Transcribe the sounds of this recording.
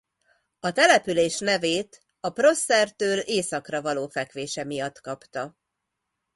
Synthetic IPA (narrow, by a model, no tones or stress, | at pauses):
ɒt̪ɛlɛpyleːʃnɛveːt̪ | ɒpro̞sːɛrt̪øːleːsɒkrɒvɒloːfɛkʋeːʃɛmijɒt̪kɒpt̪ɒ